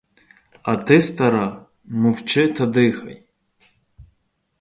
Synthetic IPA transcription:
ɐt̪ɪst̪ɐɾɑ | mʊwt͡ʃɪt̪ɐd̪ɪxɐ̰j

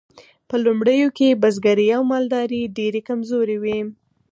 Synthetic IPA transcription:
pəlumɽəjokebazɡaɾijawmɑld̪ɑɾiɖeɾekamzoɾewi

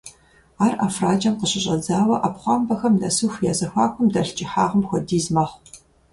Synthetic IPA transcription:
aːra̰ːfraːd͡ʒɐmqəɕɪɕʼɐd͡zaːwɐʔapχʷɑːmbɐxɐmnɐsuːxʷjaːzɐxʷaːkʷʰʼʊmdɐɬt͡ʃʼɪħaːʁəmxʷɔdiːzmɐχʷ

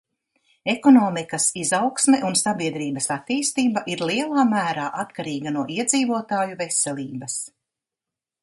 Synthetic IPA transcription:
ekɔnɔːmikɐsizawksmɛʔunsabiɛd̪ɾiːbɐsat̪iːst̪iːbaʔiɾlˠiɛlˠaːmæːɾaːʔat̪kaɾiːɡanuɔʔiɛd̪ziːvuɔt̪aːjuvesɛlʲiːbɐs

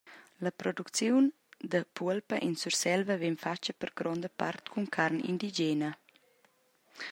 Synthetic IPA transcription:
ləpɾɔd̪ukt͡sjun | d̪əpuəlpəʔinsursɛlvəvɛnfat͡ʃəpəɾɡɾɔnd̪əpa̰rt̪kʰuŋkʰaɾnḭnd̪id͡ʒenə

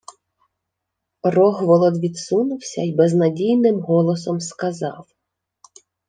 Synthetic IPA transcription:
rɔɣʋɔlˠɔd̪ʋʲid̪sunʊwsʲɐjbɛznɐdʲijnɪmɦɔlˠɔsɔmskɐzɑw

